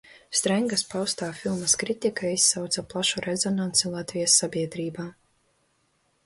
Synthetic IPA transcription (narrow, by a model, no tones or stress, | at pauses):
st̪ɾaŋɡaspawst̪aːfilˠmɐskɾit̪ikaisːawt̪saplˠaʃuɾʔɛzɔnant̪sulˠat̪vʲijasːabʲiɛd̪ɾiːbaː